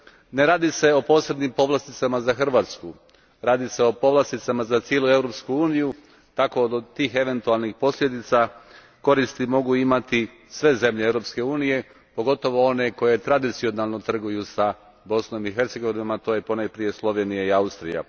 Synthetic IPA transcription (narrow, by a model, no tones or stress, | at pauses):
neɾaːd̪ise̞o̞po̞ːse̞bnimpo̞ʋlˠast̪it̪samazaxr̩ʋaːt̪sku | ɾaːd̪iseo̞po̞ʋlˠast̪it̪samazat̪sje̞lue̞vɾopskuuːniju | t̪ako̞d̪ot̪iːxe̞ʋe̞nt̪ualˠnixpo̞slʲe̞d̪it̪sa | ko̞ɾist̪imo̞ɡuimat̪i | sʋe̞ze̞mʎeevɾo̞pske̞uːnije̞ | po̞ɡo̞t̪o̞ʋo̞o̞ne̞ko̞je̞t̪ɾad̪it̪sio̞nalˠno̞t̪r̩ɡujusa | bo̞sno̞miɦe̞ɾt̪se̞ɡo̞ʋinomat̪o̞ːjepo̞najpɾije̞slˠo̞ʋe̞nijaiaust̪ɾija̰